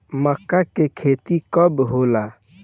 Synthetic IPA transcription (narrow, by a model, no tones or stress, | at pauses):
məkːakekʰeːt̪ikəbɦola